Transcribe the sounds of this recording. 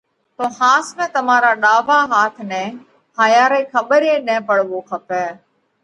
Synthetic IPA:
t̪oːhaːsmɛ̃ːt̪əmaːɾaːɗaːʋaːɦaːt̪ʰnɛ̃ː | haːjaːɾeːkʰəɓəɾẽːnɛ̃ːpəɽʋoːkʰəpɛː

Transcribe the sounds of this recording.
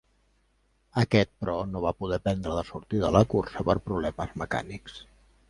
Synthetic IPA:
əkɛt̪̚pɾɔnoβ̞apuð̞ɛpɛnd̪ɾəðəsuɾt̪iðələkuɾsəpəɾpɾuβlɛməzməka̰niks

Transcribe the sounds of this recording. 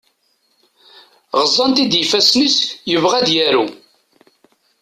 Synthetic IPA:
ʁəzˤːɑnt̪id̪jəfæsniskjəvʁæd̪jæɾu

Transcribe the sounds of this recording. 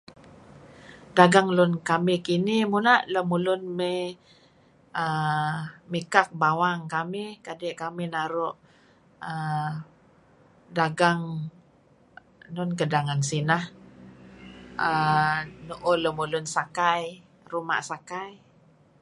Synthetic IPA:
daɡaŋlʊnkamɪhkinimunaʔləmulʊnme | ə | mikak̚bawaŋkamɪhkadɛʔkaminaɾʊʔ | ə | daɡaŋ | nʊnk̬ədaŋansinah | ənuʔoləmulʊnsakaj | ruma̰ʔsakaj

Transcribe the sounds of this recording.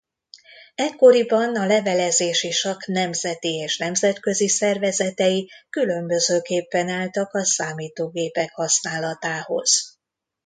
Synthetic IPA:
ɛkːo̞ɾibɒnɒlɛvɛlɛzeːʃiʃɒknɛmzɛt̪ieːʃnɛmzɛt̪kø̞zisɛrvɛzɛt̪ɛjikylø̞mbø̞zøːkeːpːɛnaːlt̪ɒkɒsaːmiːt̪oːɡeːpɛkhɒsnaːlɒt̪aːho̞̰z̥

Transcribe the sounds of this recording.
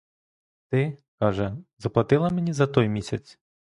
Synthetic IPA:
t̪ɪkɑʒɛzɐplˠɐt̪ɪlˠɐmenʲizɐt̪ɔjmʲisʲɐt͡sʲ

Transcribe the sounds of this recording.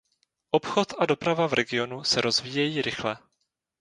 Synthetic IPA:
ʔopxo̞t̪ado̞pɾavavɾɛɡɪo̞nusɛɾo̞zviːjɛjiːɾɪxlɛ

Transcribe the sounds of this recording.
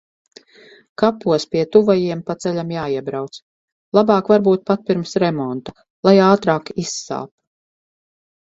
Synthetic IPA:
kapːuɔspiɛt̪uvajiɛmpat̪sɛʎʲamjaːiɛbɾawt̪s | lˠabɑːkvaɾbuːt̪̚pat̪̚piɾmsɾɛmɔnt̪a | lˠajaːt̪ɾaːkisːa̰ːp

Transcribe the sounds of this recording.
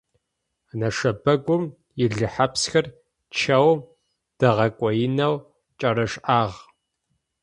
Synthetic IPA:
nɐʂɐbɐɡʷʊm | jɪɮɨħapsxɐr | t͡ʃʰɐw | d̥ɐʁɐkʷʼɔjɪnɐw | t͡ʃʼɐɾɐʂʔaːʁ

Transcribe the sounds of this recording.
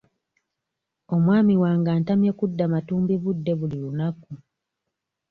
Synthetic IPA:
o̞mwaːmiwaːŋɡaːntamjekudːamatuːmbiβudːe̞βulilunaku

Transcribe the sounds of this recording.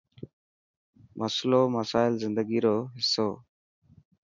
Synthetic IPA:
mʔəsloːməsaːɪlzɪnd̪əɡiːɾoːɦɪsːoː

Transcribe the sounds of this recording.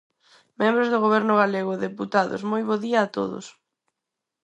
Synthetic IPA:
mẽmbɾozðʊɣ̞oβɛɾnʊɣ̞aleɣ̞ʊðeput̪aðo̰smojβoðiɐːt̪o̰ðʊ̰s

